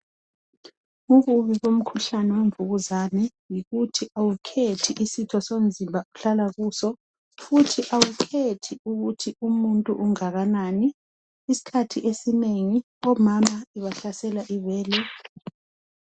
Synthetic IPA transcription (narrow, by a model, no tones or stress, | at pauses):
uɣuβiɣom̩kʰuɬanɛweɱvuɣuzanɛ | jiɣutʰiʔawukʰetʰiʔisitʰɔsond͡zʱimbʱauɬalaɣuːsɔ | futʰiʔawukʰetʰiuɣutʰiumuntʼuʔuŋaɣanaːniː | si̥kʰatʰiʔesineŋi | ɔmamaiβaɬasɛlaʔiβɛːlɛ